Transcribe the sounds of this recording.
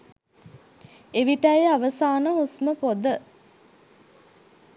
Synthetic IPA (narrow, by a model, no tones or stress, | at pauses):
eʋiʈəjaʋəsaːnəusməpod̪ə